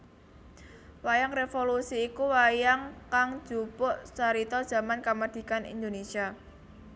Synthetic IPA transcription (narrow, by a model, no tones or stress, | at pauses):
wajaŋrefolusiːkuwajaŋkaŋ̥ʒ̥upɔʔsaɾit̪ɔd̥ʒ̥ä̤mankamad̪̥i̤kanḭnd̪onesia